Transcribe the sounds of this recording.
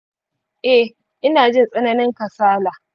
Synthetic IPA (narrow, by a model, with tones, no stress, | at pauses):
ʔɛ˦ | ʔɪ˦naː˨d͡ʒɪ˦nsʼɐ˦na˦nɪ˦ŋkɐ˨saː˦laː˨ʔ